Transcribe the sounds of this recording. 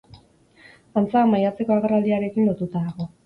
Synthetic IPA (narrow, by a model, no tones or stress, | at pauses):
ant͡saːmajat͡se̞ko̞aɣerald̪iaɾe̞kinlo̞t̪ut̪aðaɣo̞